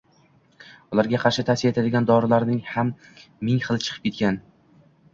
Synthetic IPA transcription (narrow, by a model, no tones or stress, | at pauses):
ʊlaɾɡʲaqʰɑɾʃɪt̪ʰasiet̪ʰad̪ɪɡʲand̪ɒɾɪlaɾnɪŋhamː | ɪŋχɨlˠt͡ʃʰɨ̥qʰɨ̥p̚kʲʰet̪kʲan